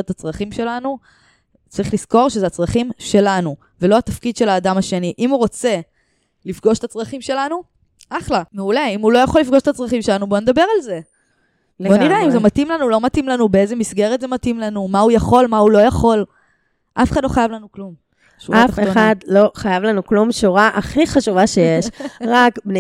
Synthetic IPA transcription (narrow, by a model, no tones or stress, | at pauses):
et̪at͡sʁaχimʃe̞lanu | t͡saʁiχlisko̞ʁʃezeat͡sʁɐχimʃe̞lanu | velo̞at̪afkid̪ʃe̞laːd̪amaʃe̞niʔimuʁo̞t͡se̞ | lifɡo̞ʃe̥t̪at͡sʁɐχimʃe̞lanu | ʔaχlameule̞imulo̞jaχo̞lːifɡoʃet̪at͡sʁaχimʃe̞lanuboned̪abe̞ʁalze̞ | bonidaimzemat̪imlanulo̞mat̪imlanubeeze̞misɡe̞ʁet̪ze̞mat̪imlanumaujaχo̞lmaulo̞jaχo̞l | ʔafeχad̪lo̞χajavlanuklum | ʃṵatafχeonad̪lo̞χajavlanuklumʃuʁaʔaχiχaʃuvaʃejeʃʁakbn